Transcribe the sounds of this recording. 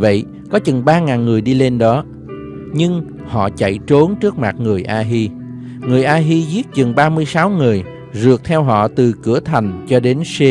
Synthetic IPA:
və̰˧˨j | kɔ˨˦t͡ɕɨ˨˩ŋɓaː˧ŋaː˨˩nŋɨ˨˩əjɗi˧le˧nɗɔ˨˦ | ɲɨ˧ŋ | hɔ̰˧˨t͡ɕa̰˧˨jt͡ɕo˨˦nt͡ɕɨ˦˥ək̚ma˨˩t̚ŋɨ˨˩əjʔaː˧ɦi˧ | ŋɨ˨˩əjʔaː˧ɦi˧zi˦˥ət̚t͡ɕɨ˨˩ŋɓaː˧mɨ˧əjsaː˨˦wŋɨ˨˩əj | zɨ˨˩ək̚t̪ʰɛ˧wɦɔ̰˧˨t̪ɨ˨˩kɨ˧˩ət̪ʰa˨˩jŋ̟t͡ɕɔ˧ɗe˨˦nse˧

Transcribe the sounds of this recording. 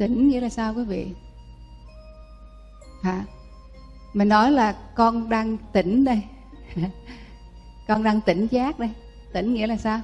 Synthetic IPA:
t̪i˧˩ŋ̟ŋḭ˧˥əlaː˨˩saː˧wkwi˨˦vḭ˧˨ | haː˨˩ | mï˨˩nɔ˨˦jlaː˨˩kɔ˧nɗaː˧ŋt̪i˧˩˦ŋ̟ɗə˧j | kɔ˧nɗaː˧ŋt̪i˧˩ŋ̟zaː˦˥k̚ɗə˧j | t̪ï˧˩˦ŋ̟ŋḭ˧˥əlaː˨˩saː˧w

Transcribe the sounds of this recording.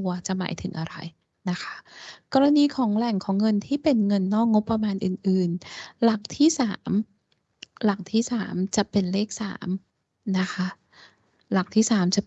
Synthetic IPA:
u˧ɐt͡ɕa˨˩ma̰ː˩˦jt̪ʰɯ˨˩˦ŋʔa˧ɾa̰˧j | na˦˥kʰa˦˥kɔː˧ɾa˧niː˧kʰɔː˩˦ŋlɛ˨˩ŋkʰɔː˩˦ŋːɤ˧nt̪ʰiː˥˩pe˧nŋɤ˧nːɔː˥˩k̚ŋo˦˥pːɾa˧maː˧nʔɯː˨˩nʔɯː˨˩nla˨˩k̚t̪ʰiː˥˩saː˩˦m | la˨˩k̚t̪ʰiː˥˩saː˩˦mt͡ɕa˨˩pe˧nleː˥˩k̚sa̰ː˩˦m | na˦˥kʰa˦˥ʔ | la˨˩k̚t̪ʰiː˥˩saː˩˦mt͡ɕa˨˩

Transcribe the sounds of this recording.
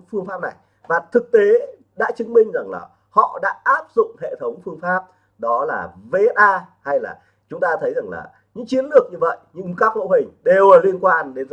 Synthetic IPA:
fɨ˧əŋfaː˦˥p̚na˨˩j | vaː˨˩t̪ʰɨ˨˩k̚t̪e˨˦ | ɗa̰ː˧˥t͡ɕɨ˨˦ŋmï˧ŋ̟za˨˩ŋla̰ː˨˩ | hɔ̰˧˨ɗa̰ː˧˥ʔaː˦˥p̚zʊ̰˧˨ŋ͡mhḛ˧˨t̪ʰə˨˦wŋ͡mfɨ˧əŋfaː˦˥p̚ | ɗɔ˨˦laː˨˩ve˧ʔaː˧ha˧jla̰ː˨˩ | t͡ɕʊ˨˦ŋ͡mt̪aː˧t̪ʰə˨˦jza˨˩ŋla̰ː˨˩ | ɲɨ̰˧˥ŋt͡ɕi˨˦ənlɨ˨˩ək̚ɲɨ˧və̰˧˨jɲɨ̰˧˥ŋkaː˦˥k̚mo̰˧˥ɦï˨˩ŋ̟ɗe˨˩wəː˨˩li˧ənkwaː˧nɗe˨˦n˧

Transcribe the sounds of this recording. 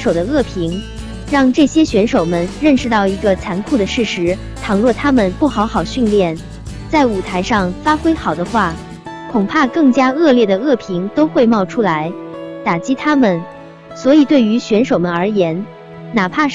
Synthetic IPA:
ʂo˨˩ʊd̪ə˦ɤ˥˩pʰi˧˥ŋ | ɻɑ˥˧ŋʈ͡ʂɤ˥˩ɕjɛ˥ɕɥɛ˧˥nʂo˨˩ʊmə˦nɻə˥˧nʂɻ̩˥˧t̪ɑ˥˩ʊi˧˥ɡə˧t͡sʰa˧˥nkʰu˥˩d̪ə˩ʂɻ̩˥˩ʂɻ̩˧˥ | t̪ʰɑ˨˩ŋlwɔ˥˩t̪ʰa˥mə˨npu˥˩xɑ˧˥ʊxɑ˨˩ʊɕy˥˧nljɛ˥˩n | t͡sa˥˩ɪu˨˩t̪ʰa˧˥ɪʂɑ˥˧ŋfa˥xwe˥ɪxɑ˨˩ʊd̪ə˦xwa˥˩ | kʰʊ˨˩ŋpʰa˥˧kɤ˥˩ŋt͡ɕja˥ɤ˥˧ljɛ˥˩d̪ə˩ɤ˥˩pʰi˧˥ŋt̪o˥ʊxwe˥˧ɪmɑ˥˩ʊʈ͡ʂʰu˥la˧˥ɪt̪a˨˩t͡ɕi˥t̪ʰa˥mə˨n | swɔ˧˥i˨˩t̪we˥˩ɪy˧˥ɕɥɛ˧˥nʂo˨˩ʊmə˧˦nə˞˧˥jɛ˧˥n | na˨˩pʰa˥˩

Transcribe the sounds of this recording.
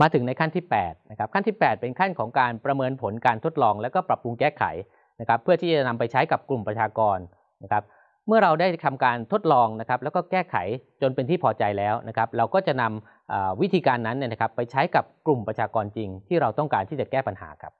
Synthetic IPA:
maː˧t̪ʰɯ˩˦ŋna˧jkʰa˥˩nt̪ʰiː˥˩pɛː˨˩t̪̚na˦˥kʰa˦˥p̚kʰa˥˩nt̪ʰiː˥˩pɛː˨˩t̪̚pe˧nkʰa˥˩nkʰɔː˩˦ŋkaː˧npɾa˧mɤː˧npʰo˩˦nkaː˧nt̪ʰo˦˥t̪̚lɔː˧ŋlɛː˦˥wkɔː˥˩pɾa˨˩p̚ɾu˧ŋkɛː˥˩kʰa̰˩˦j | na˦˥kʰa˦˥pʰːɯ˥˩ɐiː˥˩t͡ɕa˨˩na˧mpa˧jt͡ɕʰa˦˥jka˨˩p̚klu˨˩mpɾa˧t͡ɕʰaː˧kɔː˧nː | a˦˥kʰa˦˥p̚ | mɯ˥˩ɐɾa˧wda˥˩jt̪ʰa˧mkaː˧nt̪ʰo˦˥t̪̚lɔː˧ŋna˦˥kʰa˦˥p̚lɛː˦˥wkɔː˥˩kɛː˥˩kʰa̰˩˦jt͡ɕo˧npe˧nt̪ʰiː˥˩pʰɔː˧t͡ɕa˧jlɛː˦˥wna˦˥kʰa˦˥p̚ɾa˧wkɔː˥˩t͡ɕa˨˩na˧m | ʔaː˨˩wi˦˥t̪ʰiː˧kaː˧nːa˦˥nːi˥˩na˦kʰa˦˥pːa˧jt͡ɕʰa˦˥jka˨˩p̚klu˨˩mpɾa˧t͡ɕʰaː˧kɔː˧nt͡ɕi˧ŋt̪ʰiː˥˩ɾa˧wt̪ɔ˥˩ŋkaː˧nt̪ʰiː˥˩t͡ɕa˨˩kɛː˥˩pa˧nɦa̰ː˩˦kʰa˦˥p̚

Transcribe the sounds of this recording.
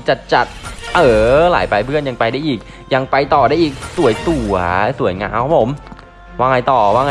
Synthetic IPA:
t͡ɕa˨˩t͡ɕa˨˩t̪̚ʔɤː˨˧˩la̰ː˨˩˦jpa˧jpʰɯ˥˩ənja˧ŋpa˧jdaː˥˩jʔiː˨˩k̚ | ja˧ŋpa˧jt̪ɔː˨˩ɾaː˥˩jʔiː˨˩k̚su˨˩˦jt̪u˨˩ɐsu˨˩˦əjŋaː˧kːkpʰo˩˦m | waː˥˩ŋa˧jt̪ɔː˨˩waː˥˩ŋa˧

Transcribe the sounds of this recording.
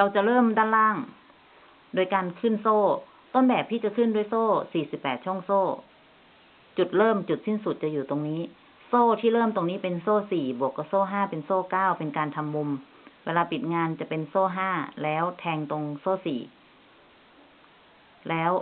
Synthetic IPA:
ɾa˧wt͡ɕa˨˩ʔlɤː˥˩˨mdaː˧˥˨nlaː˥˩ŋ | doː˧jkaː˧nkʰɯː˧˥˩nsoː˥˩ | t̪o˧˥˨nbɛː˨˩p̚t̪ʰiː˥˩t͡ɕa˨˩kʰɯ˧˥˩ndu˧˩ə˨jsoː˥˩siː˨˩si˨˩pːɛː˨˩t̪̚t͡ɕʰə˨ŋsoː˥˩ | t͡ɕu˨˩t̪̚lɤː˥˩˨mt͡ɕu˨˩t̪̚si˥˩nsu˨˩t̪̚t͡ɕa˨juː˨˩t̪o˧ŋniː˦˥ | soː˥˩t̪ʰiː˥˩lɤː˥˩˨mt̪o˧ŋniː˦˥pe˧nsoː˥˩siː˨˩bu˨˩əkːɔ˧soː˥˩ɦaː˥˩pe˧nsoː˥˩kaː˥˩wpe˧nkaː˧nt̪ʰa˧mːu˧m | weː˧laː˧pi˨˩t̪̚ŋaː˧nt͡ɕa˨˩pe˧nsoː˥˩ɦaː˥˩lɛː˦˥wt̪ʰɛː˧ŋt̪o˧ŋsoː˥˩sḭː˨˩ | lɛː˦˥w

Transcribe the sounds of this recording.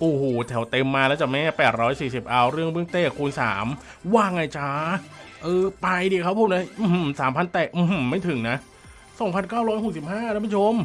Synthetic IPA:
ʔoː˨˩hoː˨˩t̪ʰɛ˩˦wt̪e˧mːaː˧lɛː˦˥wt͡ɕa˨˩ma˦˥a˧˥˩pɛː˨˩t̪̚ɾɔː˦˥jsiː˨˩si˨˩p̚ʔa˧wɾɯ˥˩əŋbɯ˥˩˨ŋt̪eː˥˩kʰːuː˧nsa̰ː˩˦m | waː˥˩ŋːa˧˩jt͡ɕʰa˧˩ʔɤː˧pa˧jdiː˧˩kʰa˦˥pʰuː˥˩na˦˥˩ʔɯ˧˩hsaː˩˦mpʰa˧nt̪ɛː˨˩k̚ʔɯ˧˩mː˧˩mːa˥˩jt̪ʰɯ˩˦ŋna˦˥ | sɔ˨˩˦ŋpʰa˧nkaː˥˩wɾɔː˦˥jɦo˨˩k̚si˨˩p̚haː˥˩ɛ˦˥ma˧˥˩t͡ɕʰo˧˥m

